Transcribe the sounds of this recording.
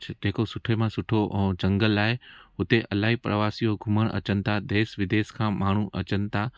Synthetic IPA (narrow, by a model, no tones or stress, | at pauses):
d͡ʑeɦːkosʊʈʰemãsʊʈʰod͡ʑɐ̃ŋɡəlːaːɪɦʊt̪eʔɐlaːɦipɾəʋaːsijoɡʱʊməɽ̃ʔɐ̰t͡ɕənɪ̆t̪ʰad̪eːsʋɪd̪eːskʰãːmaːɳ̤uʔɐ̰t͡ɕənɪ̆t̪ʰa